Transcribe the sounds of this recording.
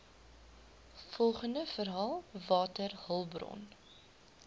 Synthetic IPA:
fɔlˠχəndəfərɦɑːlˠvɑːtərhəlˠbrɔ̰n

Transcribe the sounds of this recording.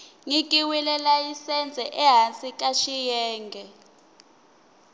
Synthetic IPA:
ŋikʼiwilɛlajisɛnd͡zʱɛʔɛɦansik̬ʼaʃijɛːŋɡʱɛ

